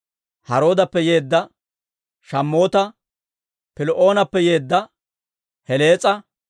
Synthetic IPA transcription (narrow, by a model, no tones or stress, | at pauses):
hɐɾo̞ːd̪ɐpːɛje̞ːd̪ːɐ | ʃɐmːo̞ːt̪ɐ | pɪlʔo̞ːnɐpːɛje̞ːd̪ːɐ | hɛleːt͡sʼɐ